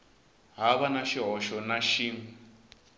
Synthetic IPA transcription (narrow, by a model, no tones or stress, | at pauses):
ɦaβanaʃiɦɔʃɔnaʃiːŋu